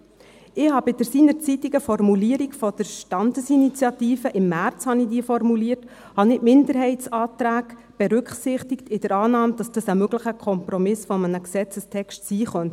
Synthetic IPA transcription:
ɪhɑbɪd̥əɾsiːnəɾt͡sit̪ɪɡ̥əfɔrmuliəɾiɡfɔd̥əɾʃtɑndəsinit͡sjɑt̪iːfəʔɪmːært͡shɑnidiːfɔrmuliərt | hɑnɪmɪndəɾɦɛɪtsɑːt̪ɾæːɡ | b̥ɛɾʏkχsɪχtɪktɪdəɾɑːnɑːmd̥ɑsd̥ɑsəmøɡ̥ləχəkʰχɔmpɾɔmɪsfɔmənəksɛt͡səstʰɛkʃtsiːχœnt

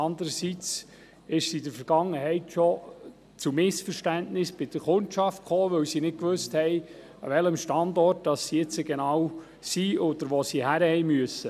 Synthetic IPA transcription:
ɑndəɾəsit͡s | ɪʃsidəɾfəɾɡ̥ɑŋːəhɛɪtʃɔ | t͡sumɪsfəɾʃtæntnɪsb̥ɪd̥əɾχʊntʃɑft̚kʰoːʋɵwsinɪt̚kʋøsthɛɪ | ʋɛləmʃtɑndɔrt̚d̥ɑsːiɛt͡səɡenɑːw | siɔd̥̪əɾʋosihæɾəhɛɪmyəsə

